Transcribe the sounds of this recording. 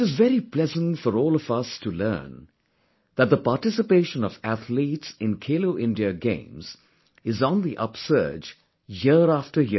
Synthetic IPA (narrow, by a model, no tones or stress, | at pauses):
ɪɾɨzvɛɾiplɛzə̃ntfɔɾɔːlʌvʌstʰulɜ̰̃ːn | ðət̪̚d̪əpaʈɪsɨpeɪʃə̃nʌvæθʰlitsɪ̃nkʰeɪloʊʔɪ̃ndiəɡḛ̃ɪ̃mz̥ | ɪzn̩ðiʔʌ̰psɜ̰˞d͡ʒ | jɪɾæftə˞jɪ